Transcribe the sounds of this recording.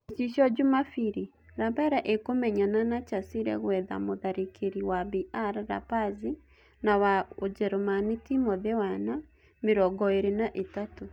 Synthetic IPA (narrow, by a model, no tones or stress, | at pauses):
t͡ʃiʃɔd͡ʒumafiɾi | ɾapaɾaʔekomɛɲananat͡ʃasiɾɛ̰ɣwɛða̰moðaɾekʰeɾiwabiʔaɾɾa̰pazi | nawaod͡ʒɛɾɔmanitimɔðɛwana | meɾɔɡɔeɾenaʔetato